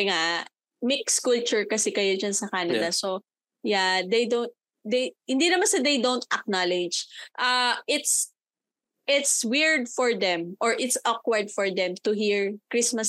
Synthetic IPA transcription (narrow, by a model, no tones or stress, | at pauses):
ŋa | mɪkskult͡ʃʊɹkɐsɛkɐjod͡ʒɐnsɐkanɐd̪ɐso | jad̪ejd̪ont̪̚ | d̪ejhɪnd̪inɐmansɐd̪ejd̪ownt̪̚ʔɐk̚nalɪd͡ʒʔɐʔɪt̪s | ʔɪt̪swɪɹd̪fɔɹd̪ɛ̃mʔɔɹʔɪt̪sʔɔk̚wɐɹd̪̚fɔɹd̪ɛmt̪ʊɦiɹkɹismɐs